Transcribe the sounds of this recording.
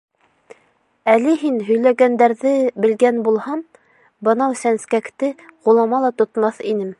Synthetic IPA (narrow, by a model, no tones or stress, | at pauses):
ælɘɦinɦɵ̆jlæɡænd̪æɾðɘbɘ̆lɡænbulˠhɑm | bɤ̆nɑwsænskækt̪ɘʁulˠɑmɑlˠɑt̪ŏt̪mɑθinɘm